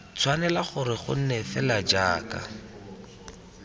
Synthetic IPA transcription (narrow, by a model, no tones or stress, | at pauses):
t͡sʰwanɛlaχʊɾɪχʊ̰n̩nɛfɛlad͡ʒaːka̰